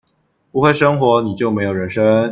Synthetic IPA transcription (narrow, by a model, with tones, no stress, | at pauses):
pu˧˥xwe˥˩ɪʂɤ˥ŋxwɔ˧˥ni˨˩t͡ɕjo˥˩ʊme˧˥ɪjo˨˩ʊɻə˧˥nʂə˥ŋ